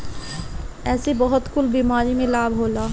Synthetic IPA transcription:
ɛsibɔɦɔt̪kulbimaɾimelabʱɦola

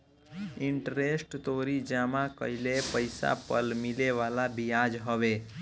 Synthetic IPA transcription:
ɪɳʈɾesʈt̪oɾid͡ʒamãkə̰ilepəjsa̰pəlmileʋalabijad͡ʒɦəʋe

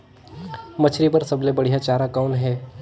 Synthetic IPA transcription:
mət͡ʃʰɾipɐɾsɐblebəɽ̤ijat͡ʃaːɾakaʊnɦɛː

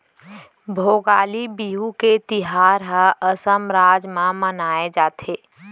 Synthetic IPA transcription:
bʱoːɡaːlibiːɦuket̪ɪɦaːɾɦəəsəmɾaːd͡ʒmãmənaːed͡ʒaːt̪ʰeː

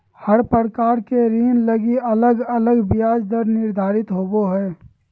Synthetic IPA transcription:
həɾpəɾəkaːɾkeɾiːnləɡiɐləɡɐləɡbɪjaːd͡ʒd̪əɾnɪɾd̪ʱaːɾɪt̪ɦoːboɦɛː

